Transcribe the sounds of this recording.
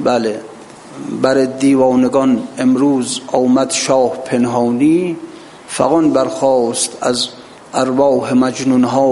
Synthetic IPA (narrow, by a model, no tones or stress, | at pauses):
bæle | bæɾed̪iːvɒːneɡɒnemɾuːzɒːmæd̪ʃɒːhpʰenɦɑːniː | fæ̰ɣɔnbæɾxɒːst̪ʰæz | ʔæɾvɒːhemæd͡ʒnunɦɒː